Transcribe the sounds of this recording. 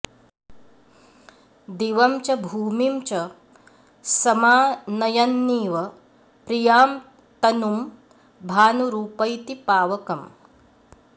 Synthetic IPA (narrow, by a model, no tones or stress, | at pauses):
d̪iʋɐmt͡ʃɐbʱuːmimt͡ʃɐ | sɐmaːnɐjɐnːiːʋɐ | pɾijaːm | t̪ɐnum | bʱaːnuɾuːpɐjt̪ipaːʋɐkɐm